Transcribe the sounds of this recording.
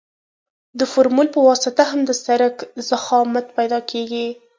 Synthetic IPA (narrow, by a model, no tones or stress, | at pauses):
d̪əfʊɾmulpəwɑsɪt̪aɦamd̪əsaɾakz̥axɑmat̪pajd̪ɑkʰeɡi